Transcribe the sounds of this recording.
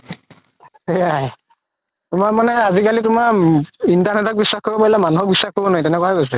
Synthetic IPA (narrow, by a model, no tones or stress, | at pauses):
ejaj | tʊmamanɛazikalitʊmaɹintanɛtʰɔk̚bisːaxkʰobɔpailamanuɦɔk̚bisːaxkʰobɔnajtɛnɛkwakojsɛ